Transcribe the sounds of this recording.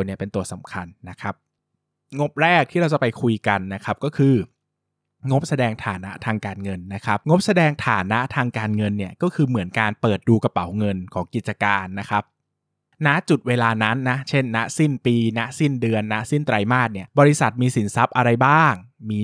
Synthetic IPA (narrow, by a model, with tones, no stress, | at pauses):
ni˥˩ɐpe˧nt̪u˨˩ɐsa˩˦mkʰa˧nːa˦˥kʰɾa˦˥p̚ | ŋo˦˥p̚ɾɛː˥˩k̪̚ʰiː˥˩ɾa˧wt͡ɕa˨˩pa˧jkʰu˧jka˧nːa˦˥kʰa˦˥p̚kɔː˥˩kʰɯː˧ | ŋo˦˥p̚sa˧dɛː˧ŋt̪ʰaː˩˦na̰˦˥t̪ʰaː˧ŋkaː˧nŋɤ˧nːa˦˥kʰɾa˦˥p̚ŋo˦˥p̚sa˧dɛː˧ŋt̪ʰaː˩˦na˦˥t̪ʰaː˧ŋkaː˧nŋɤ˧nːi˥˩ɐkɔː˥˩kʰɯː˧mɯ˨˩˦ənkaː˧npɤː˨˩t̪̚duː˧ka˧pa˩˦wŋɤ˧nkʰɔː˩˦ŋki˨˩t̪̚t͡ɕa˧kaː˧nːa˦˥kʰa˦˥p̚ | na˦˥ʔt͡ɕu˨˩t̪̚weː˧laː˧na˦˥nːa˦˥t͡ɕʰe˥˩nːa˦˥si˥˩npiː˧na˦˥ʔsi˥˩ndɯ˧ənːa˦˥ʔsi˥˩nt̪ɾa˧jmaː˥˩t̪̚ni˥˩ɐbɔː˧ɾi˦˥sa˨˩t̪̚miː˧si˩˦nsa˦˥p̚ʔa˧ɾa˧jbaː˥˩ŋ | miː˧